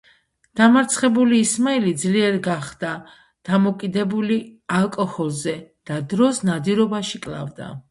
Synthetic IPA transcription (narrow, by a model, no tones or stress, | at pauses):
d̪̥amaɾt̪sʰχɛbuliːsmailid̪zliɛɾɡaχd̪̥a | d̪̥amɔkʼid̪ɛbulialˠkʼɔhɔlˠzɛd̪̥ad̪ɾɔsnad̪iɾɔbaʃikʼlˠa̰vd̪a̰